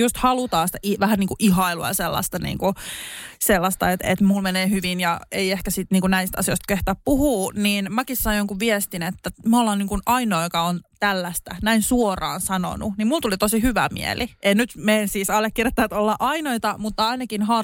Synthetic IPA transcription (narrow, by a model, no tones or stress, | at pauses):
just̪hɑlut̪ɑːsi̥t̪æʔiʋæhænniːŋkuʔiɦɑiluɑ̰jɑselːɑ̰st̪ɑnḭːŋku | selːɑst̪ɑ̰et̪ḛt̪mulmeneːhyʋinjɑeiehkæsit̪niːŋkunæist̪ɑ̰sijoist̪keht̪æːppuhuːniːnmækissɑnjoŋkuʋʋiest̪inet̪ːæmolːɑːniːŋkunɑinoːkɑont̪ælːæst̪ænæinsuorɑ̰ːnsɑno̰nṵnimult̪ulit̪osihyʋæ̰mḭɛ̰liʔennyt̪meːnsiːsɑlːekkːirjɑt̪ːæt̪olːɑʔɑinoit̪ɑmut̪ːɑɑinɑkinhɑ